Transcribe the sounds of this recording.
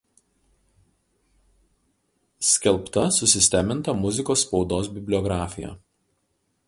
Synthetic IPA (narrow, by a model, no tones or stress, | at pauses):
sʲkʲɛlˠˑpt̪ɐsʊsʲɪsʲt̪ʲæːmʲɪnt̪ɐmʊzʲɪkoːsːpɒʊd̪oːs̬bʲɪbʲlʲɔɡɾɑːfʲɪjæ̰ː